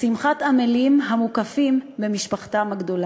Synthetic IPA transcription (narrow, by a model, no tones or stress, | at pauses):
simχatamelimɦamukafimbemiʃpaχtamhaɡdo̞la